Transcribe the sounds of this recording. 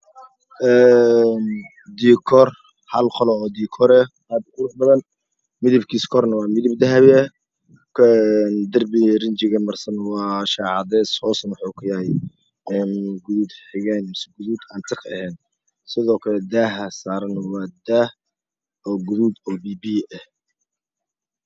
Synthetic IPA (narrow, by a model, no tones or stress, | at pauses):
ʔɛːn | d̪iːkʰɔr | hɐlqʰɔlɔɔːd̪iːkʰɔɾɛ | aːb̪ʊɾʊħbɐðɐn | mɪðɪbkʰiːskʰɔrnɐwɑːmɪðɪb̚d̪ɐɦɐβɪɛ | ɛnd̪ɐrbirɪnt͡ʃɪɣɐmɐrsɐnwɑːʃɑːʕɑðɛːshɔːsɐnwʊħukʰʊjɐhɛj | ɛːnɡʊðuːd̪ħɪɣɛːnsɡʊðuːd̪aːnt̪ʰɪkɐ̰hɛːn | sɪðɔːkʰɐlɛd̪aːɦɐsaːɾɐnwɑːd̪ah | ɔːɡʊðuːd̪ɔːbiːbiɛh